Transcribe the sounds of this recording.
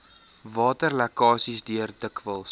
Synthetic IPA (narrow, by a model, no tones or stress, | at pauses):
vɑːtərlɛkɑːsisdiərdəkvəlˠs